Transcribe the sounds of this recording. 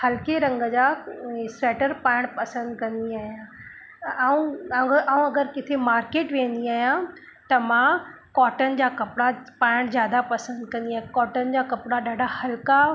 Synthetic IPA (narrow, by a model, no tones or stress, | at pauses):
hɐlkeɾɐ̃ŋɡəd͡ʑaːsɾɛːʈəɾpaːɪɽ̃pɐsə̃nd̪kɐ̃nd̪iaːɦijã | ũaːũɐɡəɾkɪt̪ʰemaːɾkeːʈʋẽːn̆d̪iaːɦjã | t̪ɐmã | kɔːʈənɪ̆d͡ʑaːkɐpɪɽapaːɪɽ̃d͡ʑjaːd̪apɐsə̃nd̪kɐ̃nd̪iaːjãkɔːʈənɪ̆d͡ʑaːkɐpɽaɗaːɖʱahɐlka